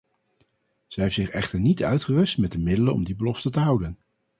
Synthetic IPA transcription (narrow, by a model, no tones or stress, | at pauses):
z̥əɦeftzɪχɛχtəɹnitœ̰ɥtχərɵstmɛt̚dəmɪdələnɔ̰mdibəlɔftətəɦʌwdən